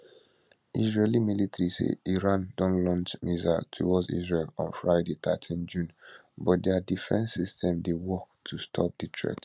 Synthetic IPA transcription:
isɹelimilitaɹisḛiɹãndɔ̃nlɔ̃nt͡ʃmiza̰tʰuwɔdsḭzɹelɔ̰̃nfɹaɪdet̪ʰa̰tʰĩnd͡ʒũn | bɔt̚dɛadifɛ̰̃nsːistʰɛ̃mdewɔk̚tʰustʰɔ̰p̚ditʰɹɛ̰kt

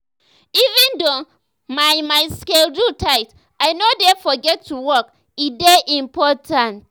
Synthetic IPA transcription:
ivɛ̃ndo | maɪmaɪskeldutʰaɪt | aɪnodɛfɔɡɛtʰːuwɔk | ideʔĩmpʰɔtʰãnt

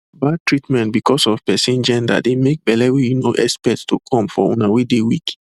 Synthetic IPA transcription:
bad̚tʰɹitmɛ̃ntbikʰɔsɔv̥pɛsĩnd͡ʒɛ̃nda̰t̚demek̚bɛlɛwijunoʔɛspɛtstokʰɔ̃mfɔ̰ṵ̃nawedewik

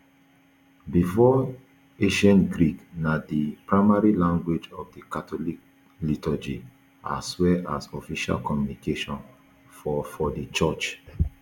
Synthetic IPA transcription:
bifɔ | eʃɛ̃nɡɹiknadipɹaɪmaɹilãŋɡwed͡ʒɔfdikatʰɔlik̚ | litɔd͡ʒi | a̰swɛa̰sɔfiʃa̰lkɔmjunikeʃɔ̃n | fɔfɔdit͡ʃɔt͡ʃ

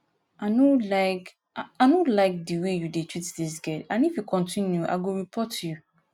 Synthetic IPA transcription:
anolaɪk | anolaɪk̚diwejudetʰɹitdis̬ɡɛdãnifjukɔ̃ntʰĩnjuʔa̰ɡoɹipʰɔtju

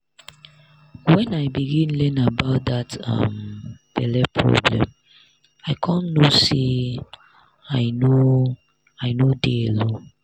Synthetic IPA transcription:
wɛ̃naɪbiɡĩnlɛ̃nabaʊt̚datʌ̰mb̥ɛ̰lɛpʰɹɔ̰blɛ̰̃m | aɪkʰɔ̃nnose | aɪno | aɪnodeelo

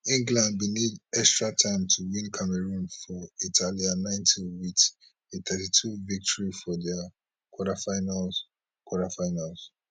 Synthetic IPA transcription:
ĩŋɡlãnd̚binidɛkstɹatʰãɪ̃mtʰuwĩnkʰamɛɹũnfɔitʰalianãɪ̃ntʰĩwit | eθʰɛtitʰuvik̚tʰɔɹifɔdɛa | kʰwɔɾafaɪnal | kwɔɾafaɪnals

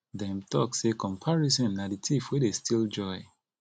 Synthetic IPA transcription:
dɛ̃mtɔksekʰɔ̃mpʰaɹisɔ̃nːaditʰifwidestʰild͡ʒɔɪ

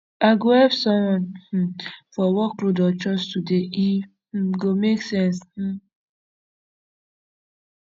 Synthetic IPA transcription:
aɡohɛpsɔ̃mwɔ̃n̩ | fɔwɔklodɔt͡ʃɔstudei | ɡomeksɛ̃nsh̩

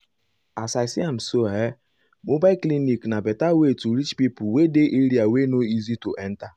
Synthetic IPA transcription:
asasiam̩soe | mobaɪkliniknabetawetuɾit͡ʃpipʊwedeʔiɾiawenoizito̰ʔɛn̩ta

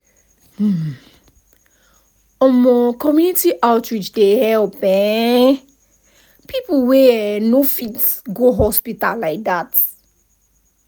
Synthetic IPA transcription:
hm̩ | ɔnmɔkʰɔmjunitiʔatɹid͡ʒdehɛlpɛ̃ | pʰiplwɛnofitɡoɦɔspita̰llaɪk̚d̪at

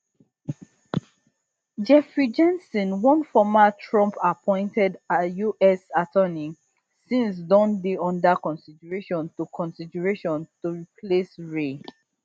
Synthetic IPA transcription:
d͡ʒɛfɹid͡ʒɛ̃nsɔ̃nwɔ̃nfɔmatʰɹɔ̃mpapʰɔ̃ɪ̃ntɛdajuʔɛsatʰɜnĩ | sĩns̬dɔ̃ndeɔ̃ndakɔ̃nsidəɹeʃɔ̃ntukʰɔ̃nsidəɹeʃɔ̃ntuɹipʰlesɹe

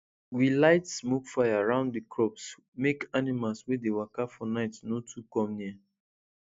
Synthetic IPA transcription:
wilaɪtsmokfajaɹãʊ̃nddikɹɔps | mekanimalswedewakafɔnaɪtnotʰukɔ̃mnia

